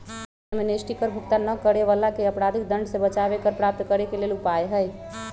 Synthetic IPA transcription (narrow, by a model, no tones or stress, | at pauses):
menesʈikəɾbʱukt̪anəkəɾeβalakeəpɾad̪ʱik̚d̪ə̃ɳɖʱsebət͡ʃaβekəɾpɾap̚t̪kəɾekelelupaeɦəj